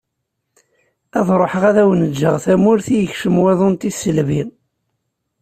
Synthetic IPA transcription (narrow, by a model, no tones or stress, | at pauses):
æðˤɾˤoħəʁæðæwənəd͡ʒːəʁθæmʊɾθijəçʃəmweðˤont̪isəlvin